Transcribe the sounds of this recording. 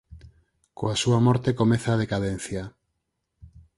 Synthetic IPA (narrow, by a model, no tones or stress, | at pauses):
koasuamoɾt̪ekomeθað̞ekaðen̟θja